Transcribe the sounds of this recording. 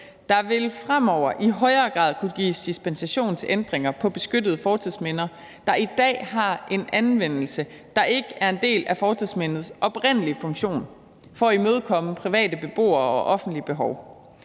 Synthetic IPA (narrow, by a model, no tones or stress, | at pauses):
d̥ɑ̈ʋe̝lfʁam̰ɒʊ̰ɐʔiɦɒ̽ɪɐːɡ̥ʁɑ̰̈ːð̰ˠkʰuɡ̥ḭːsd̥isb̥ensæɕo̝̰ːnt͡sʰe̝ʔend̥ʁeŋɐpʰɒ̽b̥e̝sɡ̥ød̥ð̞̩ˠfɒːt͡sʰiðˠsmenɐ | d̥ɑ̈id̥ɛ̰ːɦɑ̈ʔe̝nænʋen̰l̩sə | d̥ɑ̈ʔe̝ɡ̥əæɐe̝nd̥e̝̰ːlæfɒːt͡sʰiðˠsmen̰ð̞̩ˠsʔɒ̽b̥ʁen̰əlifɔ̽ŋɕo̝̰ːn | fɒ̽imøð̞ˠkʰɒ̽məpʰʁiʋɛ̰ːd̥əb̥e̝b̥o̝̰ːɐɒ̽ʔɒ̽fn̩d̥liəb̥e̝ɦɒʊ